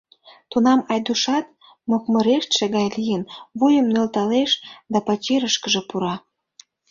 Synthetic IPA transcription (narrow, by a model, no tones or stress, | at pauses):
t̪unɑmɑjd̪uʃɑt̪̚ | mokmə̆ɾeʃt̪ʃĕɣɑjlijənβujə̆mnølt̪ɑleʃd̪ɑpɑt͡ɕeɾəʃkə̆ʒĕpuɾɑ